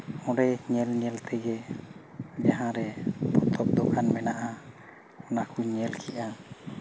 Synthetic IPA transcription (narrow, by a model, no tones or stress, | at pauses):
ɔ̃ɖɛɲɛlɲɛlt̪ʰɛɡɛ | d͡ʒaɦãɾɛpɔt̪ʰɔp̪̚d̪ɔkʰanmɛnaʔa | ɔnakuɲɛlkʰiʔa